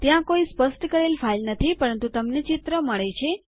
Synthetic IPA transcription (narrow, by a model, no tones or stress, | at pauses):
t̪jãkoispəsʈkəɾelfʰailnət̪ʰipəɾənt̪ut̪əmnet͡ʃɪt̪ɾəməɭet͡ʃʰe